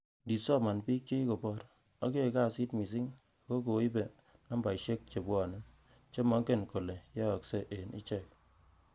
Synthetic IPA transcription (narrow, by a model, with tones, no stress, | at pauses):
ndi˨sɔ˦ma˨npi˦kːe˦ko˨pɔ˦ɾ | ɔ˦ke˦˨ka˦˨si˦tmi˨s̬i˦ŋ | a˨ko˦ko˨˦i˦be˨ | na˦mba˨i˨ʃe˦k̚t͡ʃe˨bwɔ˨ne˦ | t͡ʃe˦mɔ˦ŋke˦˨nko˨le˨jɛ˦ɔ˨kse˦ʔe˨nʔḭ˦t͡ʃɛ˦˨k̚